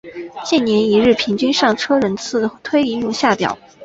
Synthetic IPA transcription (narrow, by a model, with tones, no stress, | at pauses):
t͡ɕjɛ˥˩nnjɛ˧˥ni˧˥ɻɻ̩˥˩pʰi˧˥ŋt͡ɕy˥nʂɑ˥˩ŋʈ͡ʂʰɤ˥ɻə˧˥nt͡sʰɹ̩˥˩t̪ʰwe˥ɪi˥˧ju˥˧ŋɕja˥˩pjɑ̰˨˩˦